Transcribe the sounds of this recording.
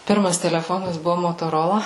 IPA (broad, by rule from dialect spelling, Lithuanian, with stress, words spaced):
ˈpʲɪrmɐs tʲɛlʲɛˈfoːnɐs ˈbʊʋoː moːtoːˈroːlˠɐ